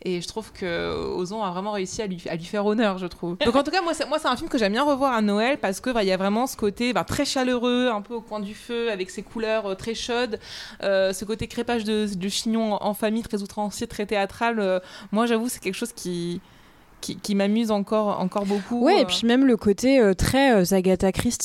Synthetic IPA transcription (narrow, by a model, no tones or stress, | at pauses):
eʒət̪χuvkʰəo̰zɔ̃avʁɛmɑ̃ʁeysialɥia̰lɥifɛʁonœʁʒət̪χuvdd̪ɔ̃kɑ̃t̪ukamwasɛmwasɛt̪ɛ̃filmkəʒɛmbjɛ̃ʁəvwaʁanɔɛlpaʁsə̥kəvailjavʁɛmɑ̃sə̥kot̪ebɛ̃t̪χɛʃaløʁøɛ̃pøokwɛ̃d̪yføavɛksekʰulœʁøt̪χɛʃɔd̪øsəkot̪ekχepaʒd̪əd̪əʃiɲɔ̃ʔɑ̃famijt̪χɛzut̪χɑ̃sjet̪χɛt̪eat̪χalømwaʒavuksɛ̥kʲɛlkə̥ʃoz̥kʲi | kʲʰikʲimamyzɑ̃kɔʁɑ̰̃kɔʁbokuwɛepɥimɛmləkot̪eøt̪χɛøzaɡat̪akχist̪